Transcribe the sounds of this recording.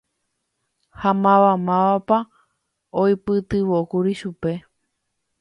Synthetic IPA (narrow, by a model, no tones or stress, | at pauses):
hamãʋamãʋapa | ojpɨt̪ɨʋokuɾiʃupe̞